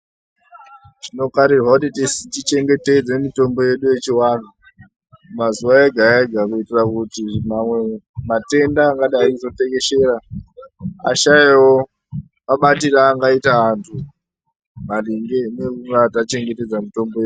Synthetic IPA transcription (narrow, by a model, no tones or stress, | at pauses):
ʐ̥ino̞kaɾirwakutitisit͡ʃit͡ʃe̞ŋɡe̞te̞d͡ze̞mito̞mbo̞je̞ɗuje̞t͡ʃiwaːn̤ʰu | mazuwaeɡʱaeɡʱakuitirakutimamwe̞mate̞ndaːŋɡaɗaikuzo̞te̞ŋe̞ʃe̞ɾa | a̰ʃaewo | maɓatiraːŋɡaitaːntʰu | maliŋɡenekuŋɡatat͡ʃe̞ŋɡete̞d͡zamito̞mboje